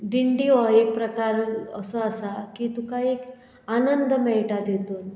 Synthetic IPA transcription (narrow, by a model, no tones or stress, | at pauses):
ɖiɳɖiʋaek̚pɾəkaɾəsəəsakit̪ũkaiek | anənd̪ʱmɛʈad̪et̪oːn